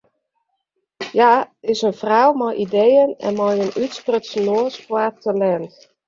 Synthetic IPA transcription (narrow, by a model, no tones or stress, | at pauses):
jaɪsənfrawmɔjʔidejənɛ̰nmɔjənytsprətsnoəspwatːəlɛnt